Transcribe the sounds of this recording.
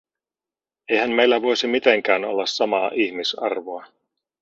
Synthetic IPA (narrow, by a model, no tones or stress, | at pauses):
ejhæmmejlːæʋo̞jsimit̪e̞ŋk̟æːno̞̰lːɑsːɑmɑːʔiçmisɑ̰rʋoɑ